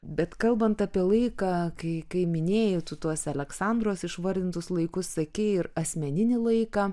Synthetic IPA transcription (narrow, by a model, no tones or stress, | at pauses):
bʲɛt̪kɐlˠbɐnt̪ɐpʲiɛlˠɐɪkɑːkɐɪkɐɪmʲɪnʲeːjʊt̪ʊt̪uɔsɐlʲɛksɑnd̪ɾoːsɪʃʋɐɾʲd̪ʲɪnt̪ʊslˠɐɪkʊssɐkʲeɪɾɐsʲmʲɛnʲɪnʲɪlˠɐɪkɑː